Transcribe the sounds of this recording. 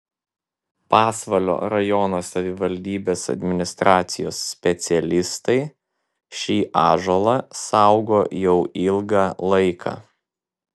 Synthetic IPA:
pɑːsʋɐlʲo̰ːɾɐjɔnosɐʋʲɪʋɐlʲd̪ʲiːbʲeːsɐ̰d̪ʲmʲɪnʲɪst̪ɾɑːt̪sʲɪjoːsːʲpʲɛt̪sʲɪɛlʲɪst̪ɐɪ | ʃʲiːʔɑːʒolˠɑsɑʊɡoːjɛʊʔɪlˠɡɑːlˠɐɪkʰɑ̰ː

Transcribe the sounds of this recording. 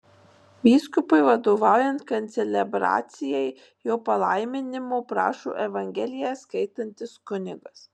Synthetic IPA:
ʋʲiːskʊpʊɪʋɐd̪oːʋɑˑʊjɛnt̪kɐt̪t̪sʲɛlʲɛbɾɑ̰ːt̪sʲɪjɛɪ | joːpɐlˠɐɪmʲɪnʲɪmoːpɾɑ̰ːʃo̰ːʔɛʋɐŋʲɡʲɛlʲɪjɛskɐɪt̪ɐnʲt̪ʲɪskʊnʲɪɡɐs

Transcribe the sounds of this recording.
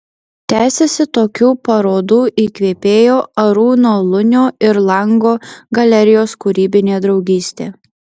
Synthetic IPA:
t̪ʲæːsʲesʲɪt̪oːkʲuːpɐɾoːd̪uːʔiːkʋʲeːpʲeːjoːɐɾuːnoːlˠʊnʲoːɪɾlˠɐŋɡoːɡɐlʲɛɾʲɪjoːskʊɾʲiːbʲɪnʲeːd̪ɾɒʊɡʲiːsʲt̪ʲeː

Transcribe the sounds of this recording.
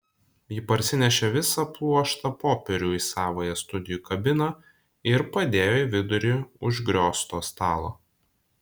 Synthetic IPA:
jɪpɐɾʲsʲɪnʲɛʃʲɛʋʲɪsɐplˠuɔʃt̪ɐpoːpʲɛɾʲuːisɑːʋoːjɛst̪ʊd̪ʲɪjuːkɐbʲɪnɐ | ɪɾpɐd̪ʲeːjoːiʋʲɪd̪ʊɾʲɪʊʒɡɾʲoːst̪oːst̪ɑːlˠo̰ː

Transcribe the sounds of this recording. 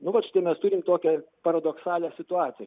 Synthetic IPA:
nʊʋɐt͡ʃʲɪ̥t̪ɐɪmʲɛst̪ʊɾʲɪmt̪oːkʲɛpɐɾɐd̪oksɑːlʲɛsʲɪt̪ʊɑːt̪ʲɪjɛ

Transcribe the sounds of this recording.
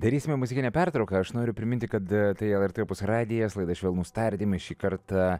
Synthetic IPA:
d̪ɐɾʲiːsʲɪmʲɛmʊzʲɪkʲɪnʲɛpʲæɾt̪ɾɒʊkɐɐʃnoːɾʲʊpʲɾʲɪmʲɪnʲt̪ʲɪkɐt̪t̪ɐɪɛlˠɛɾt̪ʲepʊsɾɑːd̪ʲɪjɛslˠɐɪd̪ɐʃʲʋeːlˠnuːst̪ɐɾʲd̪ʲimʃʲiːkɐɾt̪ɑ

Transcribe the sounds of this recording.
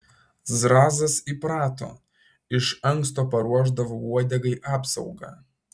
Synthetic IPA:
zɾɑːzɐsipɾɑːt̪o̰ː | ɪʃɐŋkst̪oːpɐɾuɔʒd̪ɐʋouɔd̪ʲɛɡɐɪʔɑːpsɐʊɡɑ̰ː

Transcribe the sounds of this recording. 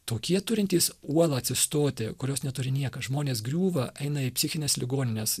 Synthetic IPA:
t̪oːkʲiɛt̪ʊɾʲɪnʲt̪ʲiːsuɔlˠɐɐt̪ʲsʲɪst̪oːt̪ʲekʊɾʲoːsnʲɛt̪ʊɾʲɪnʲiɛkɐʒmoːnʲeːsɡɾʲuːʋɐʔɛɪnɐɪpʲsʲɪxʲɪnʲeːslʲɪɡoːnʲɪnʲes

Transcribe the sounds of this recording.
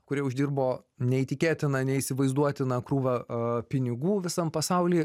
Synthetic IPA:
kʊɾʲiɛʊʒʲd̪ʲiːrboːnʲɛiːt̪ʲɪkʲeːt̪ʲɪnɐnʲɛiːsʲɪʋɐɪzd̪uɔt̪ʲɪnɐkɾuːʋɐpʲɪnʲɪɡuːʋʲɪsɐmpɐsɑʊlʲiː

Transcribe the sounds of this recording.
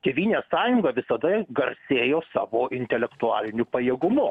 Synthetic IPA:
kʲɛʋʲiːnʲeːsɑːjʊŋɡɐʋʲɪsɐd̪ɐɡɐɾʲsʲeːjoːsɑ̰ːʋoːʔɪnʲt̪ʲɛlʲɛkt̪ʊɑːlʲɪnʲʊpɐjeːɡʊmʊ

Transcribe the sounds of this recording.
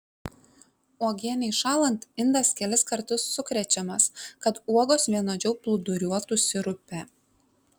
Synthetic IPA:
oːɡʲiɛnʲɛɪʃɑːlˠɐnt̪ɪnd̪ɐskʲɛlʲɪskɐɾt̪ʊsːʊkɾʲɛt͡ʃʲɛmɐskɐt̪uɔɡoːsʋʲiɛnoːd͡ʒʲɛʊplˠʊd̪ʊɾʲuɔt̪ʊsʲɪɾʊpʲɛ

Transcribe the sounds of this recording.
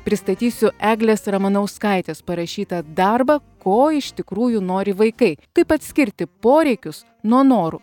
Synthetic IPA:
pʲɾʲɪst̪ɐt̪ʲiːsʲʊʔæːɡlʲeːsɾɐmɐnɐʊskɐˑɪt̪ʲeːspɐɾɐʃʲiːt̪ɐd̪ɐɾbɐkoːɪʃt̪ʲɪkɾuːjunoːɾʲɪʋɐɪkɐɪkɐɪpɐt̪ʲsʲkʲɪɾʲt̪ʲɪpoːɾʲɛɪkʲʊs | nuɔnoːɾʊ

